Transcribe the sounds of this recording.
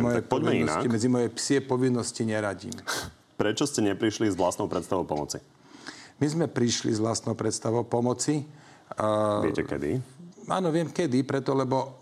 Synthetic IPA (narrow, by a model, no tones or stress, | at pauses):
mɔjɛɔɟɛinsa̰kimmɛd͡zimɔjɛpsiɛpɔʋinːɔsciɲɛɾaɟḭːm | pɾɛt͡ʃɔscɛɲɛpɾiʃlizʋlast̪nɔʊpɾɛt̪st̪aʋɔʊpɔmɔt͡si | mizmɛpɾiʃlḭzʋlast̪nɔʊpɾɛt̪st̪aʋɔʊpɔmɔt͡si | ɪɛ̰cɛ̰kɛ̰d̪ḭa̰ːnɔʋɪɛmkɛd̪ipɾɛt̪ɔlɛbɔ